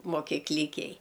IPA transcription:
moːkʲiːˈklʲɪkʲɛj

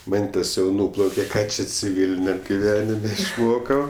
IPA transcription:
ˈmʲɛnʲtʲeːsʲ jɛʊ ˈnuːplˠɐʊkʲɛ ˈkɑː t͡ʃʲɛ t͡sʲɪˈʋʲiːlʲɪnʲɛm ɡʲɪˈʋʲæːnʲɪmʲɛ ɪʃˈmoːkɐʊ

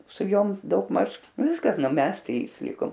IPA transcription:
sʊ ˈjoːm dɐʊɡˈmɐʃ ˈʋʲɪskɐs ˈnʊ ˈmʲɛs ˈtʲrʲiːs ˈlʲɪkoːm

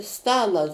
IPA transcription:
ˈstɑːlˠɐ

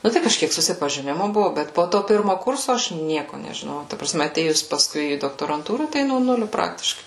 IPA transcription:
ˈnʊ tɐɪ kɐʃʲˈkʲiɛk sʊsʲɪpɐʒʲɪˈnʲɪmʊ ˈbʊʋʊ ˈbʲɛt poː ˈtoː ˈpʲɪrmoː ˈkʊrsoː ˈɐʃ ˈnʲiɛkoː nʲɛʒʲɪˈnoːjɛʊ tɐ prɐˈsʲmʲɛ ɐˈtʲeːjʊs pɐˈskʊɪ iː doːktoːrɐnˈtuːrɑː ˈtɐɪ noː ˈnʊlʲʊ ˈprɑːktʲɪʃkɐɪ

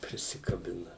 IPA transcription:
pʲrʲɪsʲɪkɐˈbʲɪnɐ

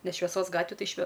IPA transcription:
ˈnʲɛs ʃʲʋʲɛˈsoːs ˈɡɑːtʲʋʲɪ ˈtɐɪ ʃʲʋʲɛ

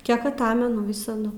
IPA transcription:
ˈkʲiɛk ɐˈtɑːmʲɛnʊ ˈʋʲɪsɐdʊ

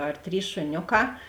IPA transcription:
ɐr ˈtʲrʲiːs ʃʊˈnʲoːˌkɑː

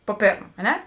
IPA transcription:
poː ˈpʲeːrm ɐ ˈnʲɛ

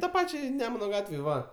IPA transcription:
tɐ ˈpɑːt͡ʃʲɛɪ ˈnʲæːmʊnɐ ˈɡɑːtʲʋʲeːj ˈʋɐ

